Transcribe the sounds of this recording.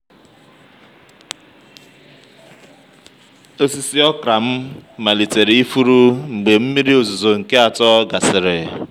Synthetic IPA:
o˦si˦si˦ɔ˦kɾa˨m̩˦ma˨li˨te˨ɾɪ˨i˦fu˦ɾu˦ŋ͡m̩˨ɡ͡be˨m̩˦mi˦ɾi˦o˨zu˨zo˨ŋ̩˨ke˦a˨tɔ˦ɡa˨sɪ˨ɾɪ˨

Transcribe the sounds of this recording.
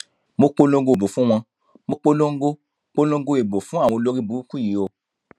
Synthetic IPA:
mo˦k͡po˦lõ˦ŋ˦ɡo˧˦˨bo˨fũ˦w̃ã˧ | mo˦k͡po˦lo˦ŋ˦ɡo˦ | k͡po˦lõ˦ŋ̩˦ɡo˧˦e˨bo˨fũ˨˦a˦˨wɔ̃˧lo˦ɾi˦bu˨˦ku˦˨ji˨˦o˧

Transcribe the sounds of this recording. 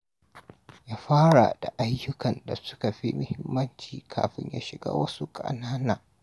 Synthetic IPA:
jaː˦ɸaː˦ɽa̰˨da˨ʔa˦jːʊ˦kɐ˨nda˨sʊ̥˦ka˨ɸi˦mʊ˦hɪ˦mːɐ˦nt͡ʃiː˨kʰa̰ː˨ɸɪ̰˦ɲja̰˦ʃɪ˨ɡa̰ː˦wɐ˦su˦kʼɐ̰˨naː˦naː˨

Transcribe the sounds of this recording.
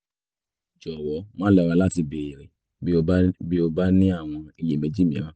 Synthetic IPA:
d͡ʒɔ˨wɔ˨˦mãː˦lɔ˦ɾa˧la˦˨ti˧be˧˨i˨ɾe˨˦˧ | bi˦o˧ba˦nĩ˦a˦˨w̃ɔ̃˧i˧je˨mẽ˨˦d͡ʒi˦mḭ̃˨˦ã˦

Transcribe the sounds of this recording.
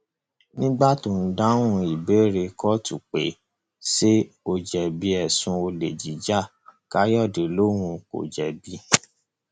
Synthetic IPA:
nĩ˦ɡ͡ba˦˨tõ˨n̩˦da˦w̃ũ˧i˨be˨˦ɾe˧kɔ˦tu˨k͡pḛ˨˦ | se˦ | o˧d͡ʒɛ˨bi˧ɛ˨sũ˧o˧le˨d͡ʒi˨d͡ʒa˦˨ | ka˦jɔ˦˨de˨lo˦w̃ũ˧ko̰˨d͡ʒɛ˨bi˧˦

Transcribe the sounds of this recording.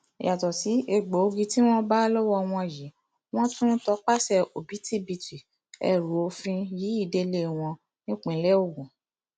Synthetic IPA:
e˨ja˨tɔ˨si˨˦e˧ɡ͡bo˨o˦˧ɡi˧ti˦w̃ɔ̃˦ba˦lɔ˦wɔ˧w̃ɔ̃˧˨ji˨˦ | w̃ɔ̃˦tũ˦tɔ˧k͡pa˦sɛ˦o˨bi˨˦ti˦bi˧ti˨ | ɛ̰˨ɾo˨o˧˦fĩ˧ji˨˦i˦˨de˧le˦˨w̃ɔ̃˧ | nĩ˦k͡pĩ˨˦lɛ˦o˦˨ɡũ˨

